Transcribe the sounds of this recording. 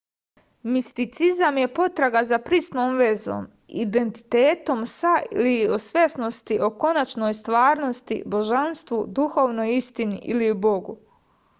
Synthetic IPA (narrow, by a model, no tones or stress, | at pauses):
mist̪it̪sizamje̞po̞t̪ɾaɡazapɾist̪noːmʋe̞zo̰ːm | ḭd̪e̞nt̪i̥t̪eːt̪o̞msaḭliosʋʲjesno̞st̪iʔo̞ko̞nat͡ʃno̞ːjst̪ʋaːɾno̞st̪ḭbo̞ʒanst̪ʋud̪uxo̞ːʋnojist̪inḭʔiliubo̞ɡu